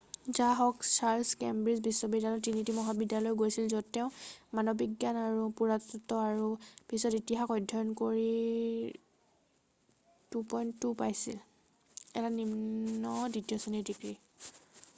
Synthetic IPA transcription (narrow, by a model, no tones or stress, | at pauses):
zaɦɔksaɹskɛmbɹizbisːɔbidjalɔtinitimɔɦabidalɔjɡojsilzɔdtɛʊ̃manɔbikɡjanaɹupuɹatɔtɔaɹub̥isɔtitiɦaxɔjdʱɔjɔnkoɹi | tupɔjntːupajsil | ɛ̰tanimnɔditijɔsɔnidikɹi